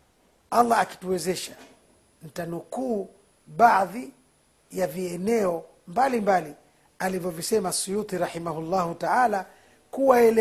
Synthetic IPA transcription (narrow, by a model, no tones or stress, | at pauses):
ʔalːaːki̥tuwɛzɛʃḁ | n̩tanukuː | ɓaði | javiɛnɛɔ | mbalimbali | alivjɔvisɛmasujut̪iɾaħimaɦulːahutaʕala | kuwaɛl